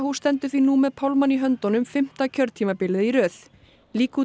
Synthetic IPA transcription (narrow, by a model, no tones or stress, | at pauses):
hust̪ɛnt̪ʏθvinumɛðpʰawlmanːiɦœnt̪ɔnʏmfɪm̥t̪acʰœɾt̪ʰiːmapɪlɪðiɾœːθ | liːk